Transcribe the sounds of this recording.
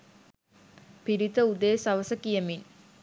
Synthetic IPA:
piɾit̪ɐud̪eːsɐʋɐsɐkijɐmin

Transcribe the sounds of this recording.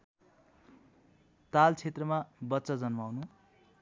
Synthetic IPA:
t̪alt͡sʰet̪rʌmabʌt̪sʌd͡zʌnmawnu

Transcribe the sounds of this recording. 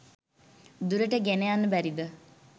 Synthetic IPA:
d̪uɾəʈəɡenejanːəbæɾid̪ə

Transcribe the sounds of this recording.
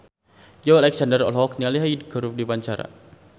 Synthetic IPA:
d͡ʒawalɛksandəɾɔ̰lɦɔkɲaliɦajdɡəɾup̚dipaɲt͡ʃaɾa̰

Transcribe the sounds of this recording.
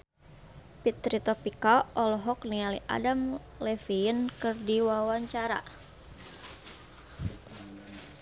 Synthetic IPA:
pit̪ɾit̪ɔpikaʔɔlɔɦɔk̚nialḭʔa̰dam | lɛfinkɨrdiwawaɲt͡ʃaɾa̰

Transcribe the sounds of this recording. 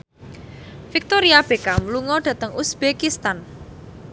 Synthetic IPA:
fik̚t̪oɾiab̥ekamluŋɔɖ̥ä̤t̪əŋusb̥ekist̪an

